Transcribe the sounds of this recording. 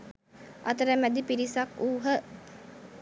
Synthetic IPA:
ʔɐt̪əɾæmæd̪ipiɾisakuːɦə

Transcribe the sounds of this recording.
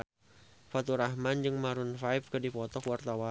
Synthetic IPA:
fat̪uɾahmand͡ʒɨŋmaɾʊnfaɪp̚kɨdipɔt̪ɔkuwart̪awa

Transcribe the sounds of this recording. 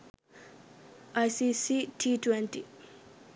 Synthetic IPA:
ʔajsisitʰitwɛ̃nti

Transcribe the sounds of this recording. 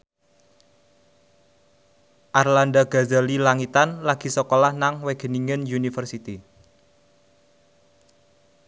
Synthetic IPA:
ʔarlandaɡ̥a̤zalilaŋit̪anlaɡ̥i̤sɔkolahnaŋweɡ̥ə̤niŋənjunifərsit̪i

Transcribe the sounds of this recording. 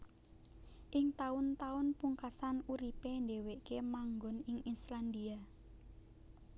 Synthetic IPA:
ʔɪŋt̪aʊnt̪aʊnpuŋkasanuɾipendeweʔkemaŋɡɔnɪŋisland̪ia

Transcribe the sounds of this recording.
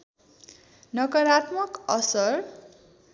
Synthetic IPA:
nʌkʌɾat̪mʌkʌsʌr

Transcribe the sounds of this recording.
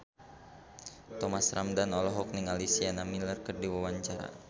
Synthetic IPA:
t̪ɔmasramdanɔlɔɦɔk̚niŋalisianamilərkərdiwawaɲt͡ʃaɾa̰

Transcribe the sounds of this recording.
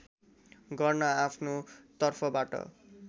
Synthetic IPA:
ɡʌrnʌapʰnot̪ʌrpʰʌbaʈʌ̰

